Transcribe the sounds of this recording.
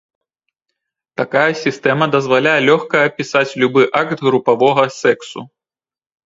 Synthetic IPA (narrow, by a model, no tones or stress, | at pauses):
t̪akajɐsʲist̪ɛmɐd̪ɐzvalʲajɛlʲɔxkɐːpʲisat͡sʲlʲubɨʔakt̪ɣɾupavɔɣɐsɛksṵ